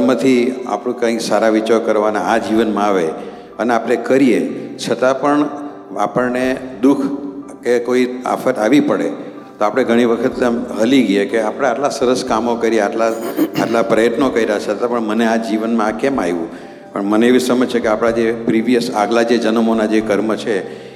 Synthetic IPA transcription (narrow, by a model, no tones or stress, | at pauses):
mət̪ʰia̰pɽ̃ũkãiksaɾaʋit͡ʃaɾkəɾʋanaːd͡ʒiʋənmãaʋe | əneapɽ̃ekəɾiet͡ʃʰət̪ãpəɳ | apəɭned̪ukʰkekoia̰fʰət̪aʋipəɽḛ | t̪oapɽ̃eɡʱəɽ̃iʋəkʰət̪mɦəliɡjekeapəɽ̃eaʈlasəɾəskamokəɾieaʈlaaʈlapɾəjət̪nokəiɾaɦat͡ʃʰət̪ãpəɳmənead͡ʒiʋənmãkɛmajʋũ | pəɳməneeʋisəməd͡ʒt͡ʃʰekeapɽ̃ad͡ʒepɾiʋijəsaɡlad͡ʒed͡ʒənəmonad͡ʒekəɾmət͡ʃʰe